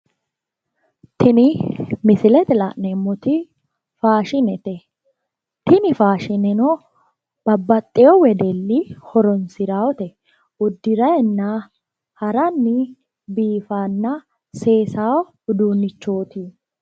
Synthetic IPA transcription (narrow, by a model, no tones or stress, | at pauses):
t̪ʰɪnɪmɪsɪlɛt̪ɛlɐʔnɛmːɔt̪ɪ | faːʃɪnɛt̪ɛ | t̪ɪnɪfaːʃɪnɛnɔ | b̥ɐbːɐt̪ʼːɛjɔwɛd̪ɛlːɪhɔɾɔnsɪɾaːwɔt̪ɛ | ʊd̪ːɪɾɐjɛnːɐ | hɐɾɐnːɪ | biːfanːɐ | seːsaːwɔ | ʊd̪uːnːɪt͡ʃːo̞ːt̪i